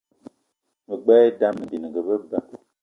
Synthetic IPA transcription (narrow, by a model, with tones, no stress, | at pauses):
mə˨ɡ͡bɛː˦da˦mə˨bi˨nə˨ɡə˨bə˦ba˦˨